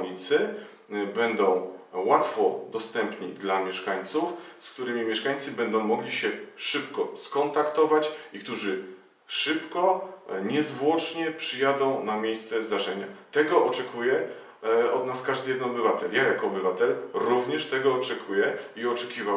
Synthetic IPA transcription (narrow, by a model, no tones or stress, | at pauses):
ɲit̪sɘ | bɛnd̪ɔ̃w̃wat̪fɔd̪ɔst̪ɛmpɲid̪lamʲjɛʂkaɲt̪sufskt̪uɾɘmʲimʲjɛʂkaɲʲt̪sɘbɛnd̪ɔ̃w̃mɔɡlʲiɕɛʂɘpkɔskɔnt̪akt̪ɔvat͡ɕikt̪uʐɘ | ʂɘpkɔɲɛzvwɔt͡ʂɲɛpʂɘjad̪ɔ̃w̃namʲjejst̪sɛzd̪aʐɛɲat̪ɛɡɔʔɔt͡ʂɛkʰujɛ | ɔd̪naskaʐd̪ɘjɛd̪ɛnɔbɘvat̪ɛljajakɔːbɘvat̪ɛlɾuvɲɛʂt̪ɛɡɔːt͡ʂɛkʰujɛiɔt͡ʂɛkʲiva